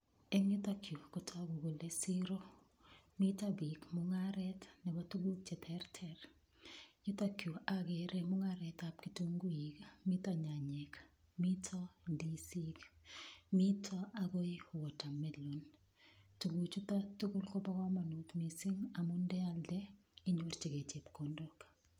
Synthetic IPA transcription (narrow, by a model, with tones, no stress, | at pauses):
ɛ˦ŋʊ˦t̪a˦kʰjo˨ko˨tʰa˦ɡo˨ɡo˨le˦si˦ɾo˦ | mi˦tabi˨kmʊŋaɾɛ˦tnɛ˨ba˦tu˦ɡu˦k̚t͡ʃɛ˨t̪ʰɛ˦rtʰɛ˨r | ɲʊ˦t̪a˦kju˨a˦ɡeɾʔe˦mʊ˦ŋaɾɛ˨ta˨p̚ki˨tu˦ŋɡu˦ji˨kmi˦t̪a˦ɲa˨ɲɛ˨k | mi˦tʰɔ˦di˦si˦k | mi˦tʰɔ˦a˦ɡo˦jwɔ˨ta˨mɛlo˨n | tu˨ɡu˨t͡ʃu˦ta˦tu˦ɡu˦lko˦ba˦ɡɔ˦ma˨no˨t̪mi˨si˦ŋa˨mʊ˦ndɛ˦a˦ldɛ˦ | ɪ˦ɲo˦rt͡ʃi˨ɡe˨t͡ʃe˨pko˨ndo˦k